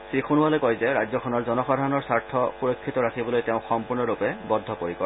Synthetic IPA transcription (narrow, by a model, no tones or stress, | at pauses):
sɹixunʊwalɛkɔjzɛɹajd͡ʑzjɔkʰɔnɔɹzɔnɔxɔdʱaɹɔnɔɹsaɹtʰɔxuɹɔkʰːitɔɹakʰibɔlojteʊ̃xɔmpuɹnɔɹupɛbɔd̪ʱːɔpoɹikɔ